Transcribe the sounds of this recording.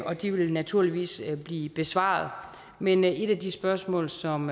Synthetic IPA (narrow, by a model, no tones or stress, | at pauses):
ɒ̽d̥iʋe̝lnæt͡sʰuɐ̰liʋḭːsb̥liːb̥e̝sʋɑ̰̈ð̩ˠ | mene̝ɾ̥æd̥isb̥ɶɐsmɔ̰̽ːlsɒ̽m